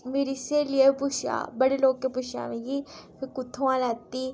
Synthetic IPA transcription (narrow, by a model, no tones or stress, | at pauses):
meɾiselɪepʊʃa̰ːbəɽeloːɡ̚kepʊʃa̰ːmẽɡipʰɪɾkʊt̪ʰːõãlaːt̪i